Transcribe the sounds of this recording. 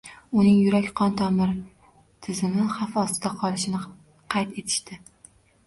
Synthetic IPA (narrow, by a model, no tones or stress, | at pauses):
ʊnɪŋjʊɾakʲqʰɒnt̪ʰɒmɪɾ | t̪ʰɪzɪmɪhafɒst̪ɪd̪aqʰɒlˠɪʃɪnɪ | qʰɑjt̪e̞t̪ʰɪ̥ʃt̪ɪ